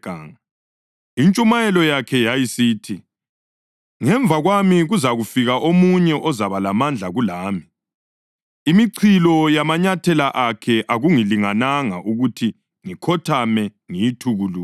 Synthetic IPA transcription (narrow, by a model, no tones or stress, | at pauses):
aa | int͡ʃʼumajɛlɔjakʰɛjajisiːtʰi | ŋɛɱb̪vʱaɣwamiɣuzaɣufiɣaʔomuɲɛʔɔzaβalamand͡ɮʱaɣulaːmi | imiǀʰilɔjamaɲatʰɛlaʔakʰɛʔaɣuŋiliŋanaŋa̰ʔuɣutʰi | ŋikʰɔtʰamɛŋiitʰuɣulu